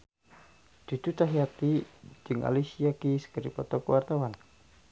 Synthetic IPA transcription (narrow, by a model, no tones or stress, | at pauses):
d̪̥id̪ut̪aɦiat̪id͡ʒɨŋa̰lisiakisə̥kəɾḭpɔt̪ɔkəwart̪awan